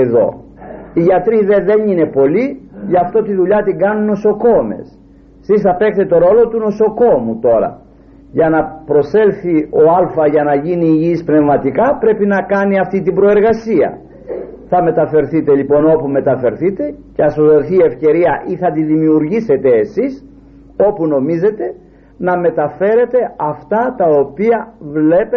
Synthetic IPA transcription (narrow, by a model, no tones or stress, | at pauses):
eðo̞̰ | iʝɐt̪ɾiðe̞ðe̞nine̞po̞liʝɐft̪o̞t̪iðuʎɐt̪iŋɡɐnunːo̞so̞ko̞me̞̰s | sisθɐpekt̪et̪o̞ɾo̞lo̞t̪uno̞so̞ko̞mut̪o̞ɾɐ̰ | ʝɐnɐpɾo̞se̞lθio̞ɐlfɐʝɐnɐʝiniːʝispne̞vmɐt̪ikɐpɾe̞pinɐkɐniɐft̪it̪ibɾo̞e̞ɾɣɐsiɐ̰ | θɐme̞t̪ɐfe̞ɾθit̪e̞lipo̞no̞pume̞t̪ɐfe̞ɾθit̪e̞ceɐsoðoθie̞fce̞ɾiɐʔiθɐt̪iðimiuɾʝise̞t̪e̞ːsis | o̞puno̞mize̞t̪e̞ | nɐme̞t̪ɐfe̞ɾe̞t̪e̞ɐft̪ɐt̪ɐopiɐvle̞pe